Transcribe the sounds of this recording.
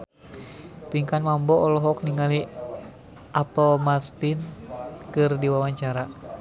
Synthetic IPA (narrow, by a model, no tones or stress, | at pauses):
piŋkanmambɔɔlɔɦɔk̚niŋali | ʔapɔmat̪pinkɨrdiwawaɲt͡ʃaɾa